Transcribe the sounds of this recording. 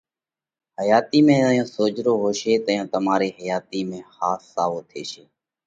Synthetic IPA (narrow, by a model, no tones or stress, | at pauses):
həjaːt̪iːmẽːəjõːsoːd͡ʒɾoːɦoːʃeːt̪əjõːt̪əmaːɾeːɦəjaːt̪iːmẽːxaːsːaːʋoːt̪ʰeːʃeː